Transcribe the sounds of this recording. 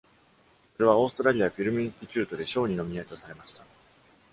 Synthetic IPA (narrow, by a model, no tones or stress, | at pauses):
so̞ɾe̞β̞ao̞ːsɨ̥t̪o̞ɾaɾʲiaɸʲiɾɯ̟mɯĩĩsɨ̥t̪ʲit͡ɕʲɨːt̪o̞d̪e̞ɕo̞ːɲ̟ino̞mʲiet̪o̞saɾe̞maɕi̥t̪a